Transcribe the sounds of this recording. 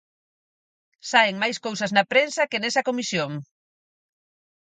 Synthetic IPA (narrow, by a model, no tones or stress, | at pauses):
saeŋmajskowsɐznɐpɾensɐkenesɐkomisjoŋ